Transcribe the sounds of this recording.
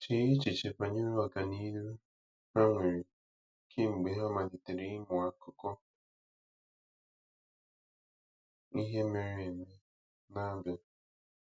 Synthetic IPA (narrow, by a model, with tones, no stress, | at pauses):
t͡ʃi˨˦ji˦t͡ʃi˨t͡ʃe˨pa˨ɲi˦e˦wa˨ka˨ni˦ɾu˦ | ha˦ŋʷe˨ɾi˨ | kʰi˦ŋ͡m̩˨ɡ͡be˨ɦa˦ma˨di˨te˨ɾi˦mʊ˨a˨ko˨kɔ˦ | i˦ɦe˦me˨ɾe˨me˨ | na˦ba˨